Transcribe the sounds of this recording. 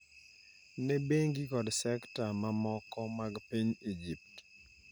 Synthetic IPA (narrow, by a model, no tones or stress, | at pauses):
nɛbeŋɡikɔdsɛktamamɔkɔmaɡpiɲid͡ʒip̚t